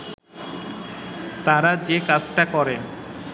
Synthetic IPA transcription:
t̪aɾad͡ʑekad͡ʑʈakɔɾen

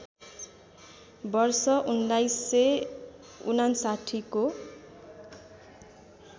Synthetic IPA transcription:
bʌrsʌʔundajsːe | unansaʈʰiko

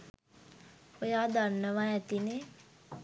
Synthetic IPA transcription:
ojaːd̪anːəʋaɛt̪ine

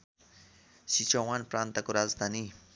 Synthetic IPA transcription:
ʃit͡ʃɔwanpɾant̪akuɾazd̪ʱani

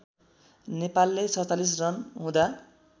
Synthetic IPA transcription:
nepalːesʌt͡salis̬rʌnɦũd̪a

